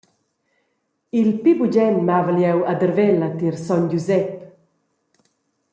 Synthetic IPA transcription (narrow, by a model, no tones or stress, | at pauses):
ilpibud͡ʒɛnmavəljɛwad̪əɾvɛlat̪iɾsɔnd͡ʒuzɛp